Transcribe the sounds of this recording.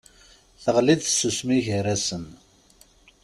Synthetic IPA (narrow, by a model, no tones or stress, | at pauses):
θəʁlid̪θsusmiʝəɾæsən